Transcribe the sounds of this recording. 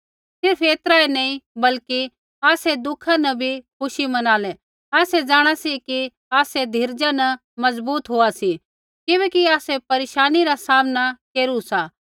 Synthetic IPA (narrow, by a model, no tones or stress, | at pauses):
sɪɾfeːt̪ɾaenɐĩbɐlki | aːsed̪ʊkʰãnɐbʱikʰʊʃimɐnaːlɛ | aːsɛd͡ʒaːɽ̃asiki | aːsɛd̪ʱiɾd͡ʒanɐ | mɐzbuːt̪ɦoːasi | kɪbɛːkiaːsɛpɐɾeːʃaːniɾasaːmnakeːɾusaː